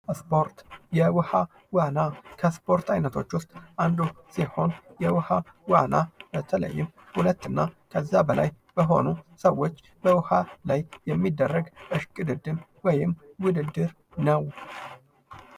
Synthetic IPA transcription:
spoɾt̪jɛwɨha | wanakʰəspʰo̞ɾt̪ʰajnət̪ʰo̞t͡ʃːwʊst̪ʼʔand̪usiho̞njɛwɨhawanab̥ət̪ʰələ̰jːɪm | hulət̪ːɨnːakʰəzːabəla̰j | b̥əɦo̞̰nusəwːo̞t͡ʃː | b̥əwɨhalajːɛmːid̪ːərːəɡɨʃkʼɨd̪ɨd̪ːɨmwɔjɪmwʊd̪ɨd̪ːɨɾ | nəw

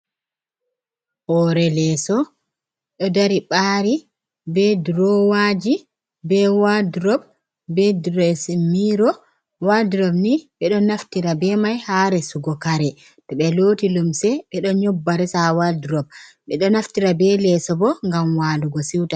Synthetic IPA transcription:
hɔɾɛlɛsɔ | ɗɔdaɾiɓaːɾi | bɛdɾɔwad͡ʒi | bɛwadɾɔb̚ | bɛdɾɔsmiɾɔ | wadɾɔbniɓɛɗɔnaftiɾabɛmajhaɾɛsuɡɔkaɾɛ | tɔɓɛloːtilumsɛɓɛɗɔɲɔbːaɾɛsawadɾɔb̚ | ɓɛɗɔnaftiɾabɛlɛsɔbɔŋɡamwaduɡɔsiwta

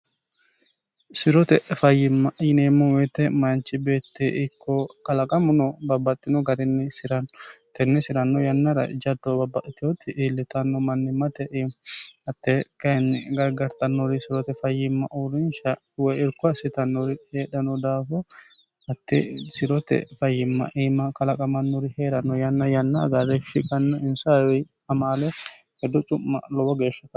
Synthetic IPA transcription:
sɪɾɔt̪ɛʔfɐjːɪmːɐʔjɪneːmːɐwɛt̪ɛmɐnt͡ʃɪbeːt̪ːeʔɪkʰːɔkɐlɐkʼɐmʊnɔbɐbːɐt̪ʼːɪnɔɡɐɾɪnːɪsɪɾɐnːɔt̪ɛnːɛsɪɾɐnːɔjɐnːɐɾɐ̰d͡ʒɐd̪ːobɐbːɐʔɪt̪ɪot̪ːɪʔiːlːɪt̪ɐnːɔmɐnːɪmːɐt̪ɛʔemɐt̪ːɛkɐnːɪɡɐɾɡɐɾt̪ʼɐnːɔɾɪsɪɾɔt̪ɛfɐjːɪmːɐʔʊɾɪnʃɐ | wɛɪɾkʊɐsɪt̪ɐnːɔɾɪheːᶑɐnɔd̪aːfɔ | ɐt̪ːɛ̰sɪɾɔt̪ɛ̰fɐjːɪmːɐ̰ʔiːmɐkɐlɐkʼɐmɐnːɔɾɪheːᶑɐnɔjɐnːɐjɐnːaɡɐrːɛfɪkʼɐnːɔɪnsajɔ | ɐmaːlɛhɛd̪ːɔt͡ʃʼʊmːɐ̰lɔbɔɡe̞ːʃːɐkɐ

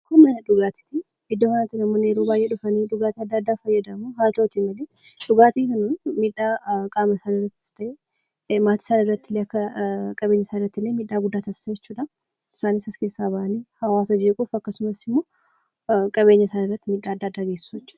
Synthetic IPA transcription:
kɔnːɐnɐᶑʊɡaːt̪ɪ̥t̪ɪ | ʔɪd̪ːofɐnaːt̪ːɪnɐmːoːneːɾuːbaːjʔeᶑʊfɐniːᶑʊɡaːt̪iɐd̪ːɐɐd̪ːaːfɐjːɐd̪ɐmuːɦaːlt̪ɐʔɔt̪imɐleː | ᶑʊɡaːt̪iːkɐnunmiːᶑːaːkʼaːmɐsaːnɪrːɐt̪ːɪ̥st̪ɐʔe | maːt̪ɪ̥saːnɪrːɐt̪ːɪlːeːɐkːɐkʼɐbe̞ːɲːɐsaːnɪrːɐt̪ːɪlːeːmiːᶑːaːɡʊd̪ːaːt̪ɐsaːjɛt͡ʃːuːᶑɐ | ɪsaːnɪsɐskeːsːaːbɐʔɐniːhɐwaːsɐd͡ʒekʼufɐkːɐsʊmɐsɪmːo̞ː | kʼɐβe̞ːɲːɐɪsaːnɪrːɐt̪ːɪmiːᶑːaːd̪ːaːd̪ːaːɡesɪ̥suɛt͡ʃːu̥ː

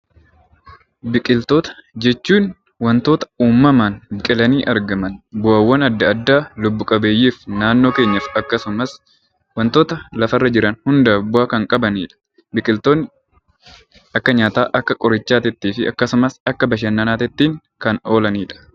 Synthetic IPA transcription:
bɪkʼɪlt̪o̞ːt̪ɐ̥d͡ʒɛt͡ʃːuːn | wɐnt̪o̞ːt̪ɐ̥uːmːɐmaːnɪkʼɪlɐniːʔɐɾɡɐmɐnbʊawːɐnɐd̪ːɐɐd̪ːaːlʊbːʊkʼɐbeːjːiːfnaːnːo̞ːke̞ːɲːɐfɐkːɐsʊmɐs | wɐnt̪o̞ːt̪ɐlɐfɐrːɐd͡ʒɪɾɐnhʊnd̪ɐbʊaːkɐŋkʼɐbɐniːᶑɐ̥ | bɪkʼɪlt̪oːnː | ɐkːɐɲaːt̪aːʔɐkːɐkʼɔɾɪt͡ʃːaːt̪ɪt̪ːiːfɪɐ̰kːɐsʊmɐsɐkːɐbɐʃ̬ɐnːɐnaːt̪ɪt̪ːiːŋ | kɐno̞ːlɐniːᶑɐ̥

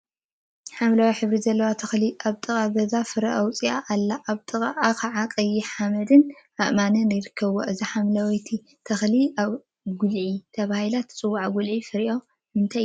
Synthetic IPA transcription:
ħamlawiħɨβɾizɐlːɐwat̪ʰɐxliʔaβt̪ʼɨkʼaɡɐzafɨɾɐʔɐwt͡sʼiaʔːlːaʔːβt̪ʼɨkʼaʔakɐʕakʼɐjːɪħamɐd̪ɨnʔaʔmanɐnɨjɪɾɨkʰːɐβoʔɨziħamlawjt̪ʰi | t̪ʰɐxliaβ | ɡulʕit̪ʰɐβahilat̪t͡sʼɨwːaʕaɡulʕifɨɾiʔo | hɨnt̪ʰa

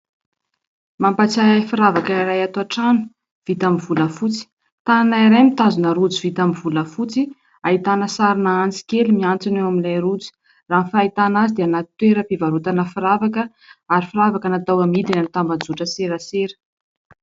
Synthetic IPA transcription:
mampat͡saafiɾavakəiɾajat̪oaʈ͡ʂanu̥ | v̥it̪amiv̥uləfut͡si̥ | t̪ananaiɾajmit̪azunəɾud͡zivit̪amiv̥uləfut͡si | aɦit̪anəsaɾinaant͡si̥kelimiant͡sineamilajɾud͡zi̥ | ranfait̪anazid̪eanat̪t̪weɾəpivaɾut̪anəfiɾavakə | aɾifiɾavakənat̪awamid̪inanit̪ambad͡zuʈ͡ʂəseɾəseɾə̥

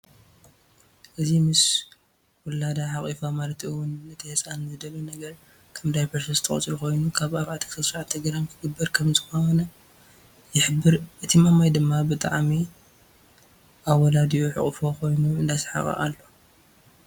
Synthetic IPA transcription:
ʔɨzimɨs | wɔlad̪aħakʼifamalɐt̪ʰɨwʊnɨt̪ʰihet͡sʼanmɐd̪ɐlunɐɡɐɾ | kʰɐmd̪ajpʰɐɾsɐzɨt̪ʰɐχʼt͡sʼɾuko̞jnukʰaβʔaβʕat̪ʰi̥kʰt̪ʰɐsɾaʕt̪ʰɐɡɾankʰɨɡɨbːɐɾkʰɐmzɨxowonɐ | jɪħɨbːɨɾʔɨt̪ʰimamajd̪ɨmːabɨt̪ʼa̰ʕmi | ʔaβwɔlad̪ioħɨ̰χʼfo̞ko̞jnuɨnd̪asħa̰χʼɐ̰ʔa̰lːo̞

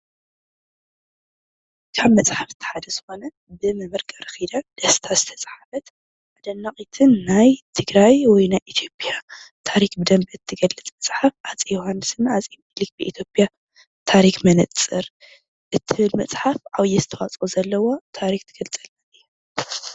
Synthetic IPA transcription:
kʰaβmɐt͡sʼħafz̥ɨt̪ʰɐ̥ħad̪ɐzɨxo̞nɐ | bɨmɨmɨɾkʼaɾɨxid̪ɐd̪̥ɐst̪ʰazɨt̪ʰɐt͡sʼħafɐt̪ | ʕʕad̪ɐnːaχʼit̪ʰɨnːajt̪ʰɨɡɾajwɔjnajʔit̪ʰjo̞pʼjat̪ʰaɾikbɨd̪ɐmbɨt̪ʰːɨɡɐlːɨt͡sʼmɐt͡sʼħafʔat͡sʼijohanːɨsɨnat͡sʼimlik̚bɨʔḭt̪ʰjo̞pʼja | t̪ʰaɾixmɐnɨt͡sʼɨɾ | ʔɨt̪ʰːɨβɨlmɐt͡sʼħafʕawjɛzɨt̪ʰɐwat͡sʼuzɐlːɐwot̪ʰaɾixt̪ʰɨɡ̥ɐlt͡sʼɐlɐnɨj

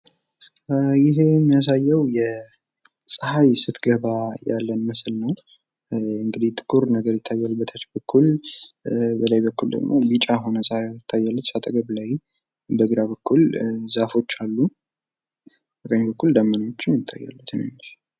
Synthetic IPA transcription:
jɪɦe̞mːijas̬ajːəwjɛ | sʼəhajsɨt̪ɡəβaja̰lːənməslnəw | ɨŋɡɨd̪it̪ʰʼɨkʰuɾnəɡəɾjɪt̪ʰːajːalbət̪ʰət͡ʃbəkʰːul | bəlajbəkːuld̪ə̰ɡmo̞bit͡ʃʼaɦo̞nəsʼhajɪt̪ʰːajːalːut̪sat̪ʼəɡəβlaj | bəɡɨɾaβəkːulzafo̞t͡ʃːalːu | bək̪ʼəɲbəkːuld̪amːəno̞t͡ʃːɪmɪt̪ʰːa̰jːa̰lːut̪ʰɨnḛmːʃ

